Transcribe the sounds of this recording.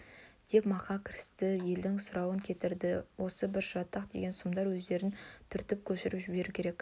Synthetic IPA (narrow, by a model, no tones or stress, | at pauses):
d̪̥e̞pmɑqɑkʲʰɪɾɪst̪ɪje̞ld̪ɪŋsʊɾɑwəŋkʲʰe̞t̪ɪɾd̪ɪwo̞səbɪɾʒɑt̪ːəqd̪e̞̰ɡʲe̞nsʊmd̪ɑɾwɵzd̪e̞ɾɪnt̪ʰʏɾt̪ɪp̚kʲʰɵʃɪɾɪpʒɪbe̞ɾukʲʰe̞ɾek